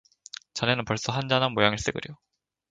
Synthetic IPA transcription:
t͡ɕanenɯnpʌɭs͈ʌɦand͡ʑanɦanmojaŋɯɭs͈eɡɯ̰ɾjo

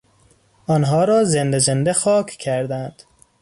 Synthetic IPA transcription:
ɒnɦɒːɾɒːzend̪ezend̪exɒːkʰcʰæɾd̪ænd̪̥

